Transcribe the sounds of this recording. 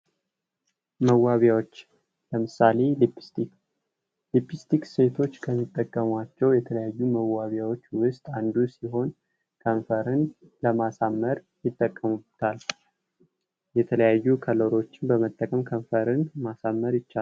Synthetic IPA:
məwaβjawot͡ʃː | ləmɨsale̞lipʰi̥st̪ʰik | lipʰist̪ʰikse̞t̪ʰo̞t͡ʃːkʰəmːit̪ʼːəkʼːəmat͡ʃːɛwjɛt̪ʰələjajːuməwːaβjawo̞t͡ʃːwʊst̪ʼand̪usiɦo̞n | kʰənfəɾɨn | ləmasamːəɾ | jɪt̪ʼːəkʼːəmubt̪ʰal | jɛt̪ʰələjajːukʰəloɾo̞t͡ʃːɪnbəmət̪ʼːəkʼəmkʰəɱfəɾɨnmasamːəɾjɪt͡ʃːal

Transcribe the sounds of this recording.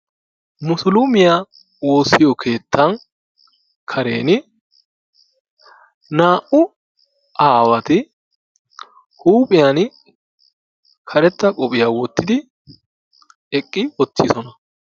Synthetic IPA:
mʊsʊlʊmɪja | woːsːɪjɔkʰe̞ːt̪ːɐn | kʰɐɾe̞ːnɪ | naːʔʔʊ | aːwɐt̪ɪ | huːpʼɪjan | kʰɐɾɛt̪ːɐkʼɔpʼɪjaːwɔt̪ːɪd̪ɪ | ɛkʼːɪwɔt̪ːɪsɔnɐ

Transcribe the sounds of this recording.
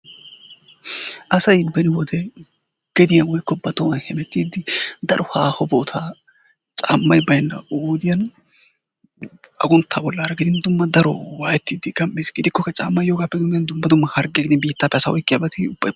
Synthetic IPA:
ʔɐsɐjbɛnɪwɔd̪ɛ | ɡ̥ɛd̪ɪjɐwɔjkːɔbɐt̪ɔwɐnhɛmɛt̪ːiːd̪ɪd̪ɐɾʔɔhaːhɔboːt̪ʰa | t͡ʃʼa̰ːmːɐjbɐjnːɐ̰oːd̪ɪjɐn | ɐ̰ɡʊnt̪ʰːaːbɔlːaːɾɐɡɪd̪ɪnd̪ʊmːɐd̪ɐɾɔ̰waːjɛt̪ːiːd̪ɪɡɐmːeːsɡɪd̪ɪkːɔkːɐt͡ʃʼa̰ːmːɐjjoːɡaːpːɛɡɪɐnd̪ʊmːɐd̪ʊmːɐhɐɾɡɛɡɪd̪ɪnbiːt̪ːaːpːɛɐsawɔjkʼːɪjaːbɛt̪ɪbɐ

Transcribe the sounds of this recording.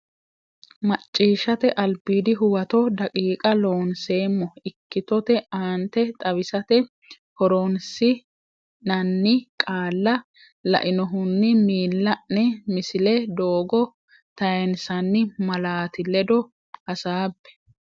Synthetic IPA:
mɐt͡ʃʼːiːʃɐt̪ɛʔɐlbiːd̪ɪɦʊwɐt̪ɔd̪ɐkʼiːkʼɐloːnse̞ːmːɔɪkːɪt̪ɔt̪ɛaːnt̪ɛt̪ʼɐβɪsɐt̪ɛ | hɔɾɔnsɪ | nɐnːɪkʼaːlːɐ | lɐ̰ʔɪnɔɦʊnːɪmiːlːɐʔnɛmɪsɪlɛd̪oːɡɔ | t̪ɐjɛnsɐnːɪmɐlaːt̪ɪlɛd̪ɔ | hɐsaːbːɛ̥

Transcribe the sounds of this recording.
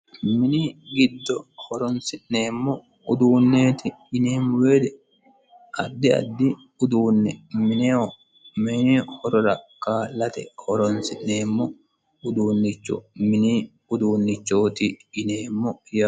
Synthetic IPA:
mɪniɡɪd̪ːɔhɔɾɔnsɪʔneːmːɔ | ʊd̪uːnːeːt̪ɪɪneːmweːd̪ɛ | ʔɐ̰d̪ːɪɐ̰d̪ːɪ | ʊd̪uːnːɛmɪne | mɪnːhɔɾɔɾɐkːaːlɐt̪ɛhɔɾɔnsɪʔneːmːɔ | ʊd̪uːnːɪt͡ʃːʊ̰mɪni | ʊd̪uːnːɪt͡ʃːoːt̪ɪːneːmːɔja

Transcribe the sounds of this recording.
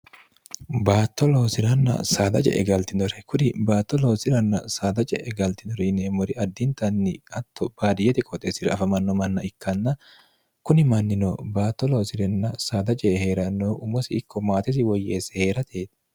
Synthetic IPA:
baːt̪ːɔlo̞ːsɪɾɐnːɐ̰saːd̪ɐt͡ʃʼɛ̰ʔɛ̰ɡɐlt̪ɪnɔɾɛkʊɾɪbaːt̪ːɔlo̞ːsɪɾɐnːɐ̰saːd̪ɐt͡ʃʼɛ̰ʔɛɡɐlt̪ɪnɔɾineːmɔɾɪɐd̪ːɪnt̪ɐnːɪɐt̪ːɔb̥aːd̪ɪjɛt̪ɪkʼɔt̪ʼesɪɾɐɐfɐmɐnːɔmɐnːɐɪkːɐnːɐ | kʊnɪmɐnːɪnoːbaːt̪ːɔloːsɪɾɛnːɐsaːd̪ɐt͡ʃʼɛhe̞ːɾɐnːoːʔʊmɔsɪɪkːɔmaːt̪ɪs̬ɪwɔjːeːsɛ̥he̞ːɾɐt̪ʰeːt̪ɪ̥

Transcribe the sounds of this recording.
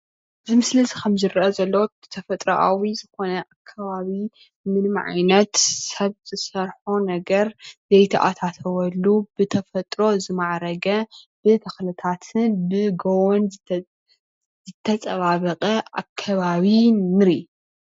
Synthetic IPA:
ʔʔɨzɨmɨslɨzikʰɐmzɨɾʔɐzɐlːow | t̪ʰɐfɐt̪ʼɾɐʔawizɨxo̞nɐʔakʰːaβaβi | mɨnmʕa̰jnɐt̪sɐβz̥ɨsɐɾħonɐɡɐɾz̥ɐjt̪ʰɐʔa̰t̪ʰat̪ʰɐwɐlːubɨt̪ʰɐfɐt̪ʼɾo̞zɨmaʕɾɐɡɐ | b̥ɨt̪ʰɐxlɨt̪ʰat̪ʰɨnbɨɡowon | zɨt̪ʰːɐt͡sʼɐβaβɐqʼɐa̰kʰːaβaβinɨɾi

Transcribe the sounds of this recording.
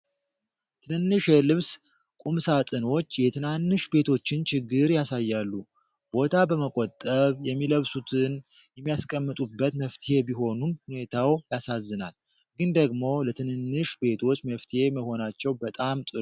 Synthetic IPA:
t̪ʰɨnɨnːɨʃɛlɨβs | kʼumsat̪ʼɨno̞t͡ʃːjɛt̪ʰɨnanːɨʃbe̞t̪ʰo̞t͡ʃːɪnt͡ʃɪɡːɨɾjasajːalːu | b̥o̞t̪ʰabəməkʼot̪ʼːəβjɛmːiləβsut̪ʰɨn | jɛmːijaskʼəmːɨt̪ʼubːət̪məft̪ʰie̞biɦo̞numhune̞t̪ʰawjasazːɨnal | ɡɨnd̪əɡmo̞lət̪ʰɨnɨnːɨʃbe̞t̪ʰo̞t͡ʃːməft̪ʰje̞məho̞nat͡ʃːɛwbət̪ʼamt̪ʼɨ

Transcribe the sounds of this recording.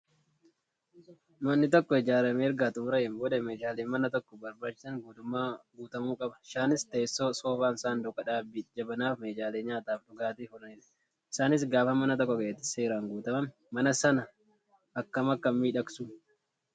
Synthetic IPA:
nʊɐnːɪt̪ɔkːɔɪd͡ʒaːɾɐmeːɾɡaːt̪ʊmɾɐɛmboːd̪ɐmeːd͡ʒaːleːnmɐnɐt̪ɔkːɔbɐɾbaːt͡ʃːɪsɐŋɡuːt̪ʊmːaːɡuːt̪ɐmuːkʼɐbɐ̥ʃaːnɪst̪e̞ːsːoːsoːfaːnɪsaːnd̪ʊkɐᶑaːbɪd͡ʒɐbɐnaːfmeːd͡ʒaːleːɲɲaːt̪aːfᶑʊɡaːt̪iːfʊɾɐnɪᶑ | ɪsaːnɪs̬ɡaːfɐmɐnɐt̪ɔkːɔɡeːt̪ːɪ̥se̞ːɾaːŋɡuːt̪ɐmɐm | mɐnɐsɐnɐ | ʔɐkːɐmɐkːɐmiːᶑɐksu

